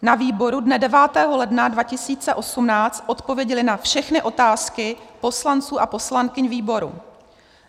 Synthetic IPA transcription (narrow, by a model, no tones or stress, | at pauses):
naviːbo̞ɾudnɛdɛvaːt̪ɛːɦo̞lɛdnadvacɪsiːt͡sɛʔo̞sumnaːt͡st̪ʔo̞t̪po̞vjɛɟɛlɪnafʃɛxnɪʔo̞t̪aːskɪpo̞slant͡suːʔapo̞slaŋkɪɲviːbo̞ɾṵ